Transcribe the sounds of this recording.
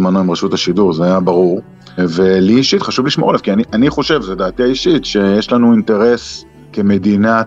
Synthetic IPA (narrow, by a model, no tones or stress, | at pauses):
manoimʁaʃut̪aʃiduʁzeajabaʁuʁ | veliiʃit̪χaʃuvliʃmoʁalavkianiʔaniχo̞ʃe̞vzed̪aːt̪iaiʃit̪ʃe̞jeʃlanuint̪e̞ʁe̞s | keme̞d̪ina